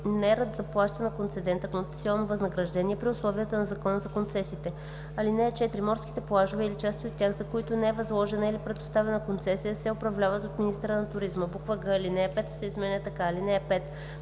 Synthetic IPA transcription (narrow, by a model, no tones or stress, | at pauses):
nɛɾəd̪zɐplˠaʃt̪ənɐkont̪sɛd̪ɛnt̪əkonsilˠnovɐznɐɡɾɐʒd̪ɛniɛpɾiʊslˠɔviət̪ənɐzɐkɔnəzɐkont̪sɛsit̪ɛ | ɐlinɛɛt͡ʃɛt̪ɾimɔɾsk̟it̪ɛplˠaʒʊvɛilit͡ʃast̪ʲiot̪̚ːʲjaxzɐkoit̪ʊnɛɛvɐzlˠɔʒɛnəilipɾɛd̪ʊ̥st̪avɛnɐəkont̪sɛsijəsɛʊpɾɐvlʲavət̪ot̪minist̪əɾənɐt̪ʊɾizməbukvəɡəlinɛɛpɛt̪sɛizmɛnʲət̪ɐkaːlinɛɛpɛt̪